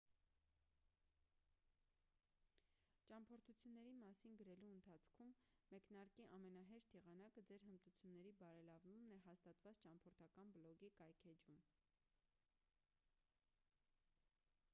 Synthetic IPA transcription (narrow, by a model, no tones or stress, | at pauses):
t͡ʃɑmpʰɔɾt̪ʰut͡sʰjunːɛɾimɑsinɡəɾɛluənt̪ʰɑt͡sʰkʰumːɛkn̪ɑɾkiʔɑmɛnɑɦɛɾt̪ʰjɛʁɑnɑkəd͡zɛɾɦənt̪ut͡sʰjunːɛɾibɑɾɛlɑvmumnɛɦɑst̪ɑt̪vɑt͡st͡ʃɑmpʰɔɾt̪ʰɑkɑnbəlɔɡikɑjkʰɛd͡ʒum